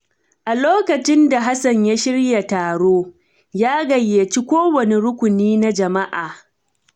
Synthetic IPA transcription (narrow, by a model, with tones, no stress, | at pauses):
ʔa˨loː˦kɐ˨t͡ʃɪ˦nda˨ɦa˦sɐ˨ɲja˦ʃɪ˦rja˨taː˨ɽoː˦ | jaː˦ɡɐ˨jːe˨t͡ʃi˦kʷoː˦wɐ˨ne˨ɾʊ˦kʷʊ˨niː˦na˦d͡ʒɐ˨ma˦ʔaː˨